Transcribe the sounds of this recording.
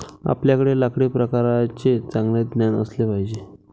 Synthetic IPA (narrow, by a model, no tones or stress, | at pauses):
a̰pljakəɽelakɽepɾəkaɾat͡ɕet͡sãŋɡled̪njanə̰slepaɦid͡ʑe